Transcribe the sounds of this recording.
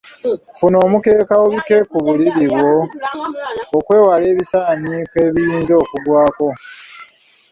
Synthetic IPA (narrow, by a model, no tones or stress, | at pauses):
funo̞ːmuke̞ːkawoβike̞kuβuliɾiβwo̞ | kwe̞ːwale̞ːβisaːnike̞ːβijiːnzo̞ːkudwaːko̞